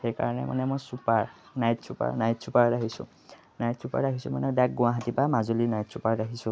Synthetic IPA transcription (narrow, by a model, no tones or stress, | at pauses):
xejka̰ɹɔnɛ̰ma̰nɛmojsupaɹnajtsupa̰ɹnajtsupaɹdaɦisʊ̰̃ | najtsupa̰ɹdaɦisʊma̰nɛdak̚ɡʊ̃waɦatipamazolinajtsupaɹdaɦisʊ̃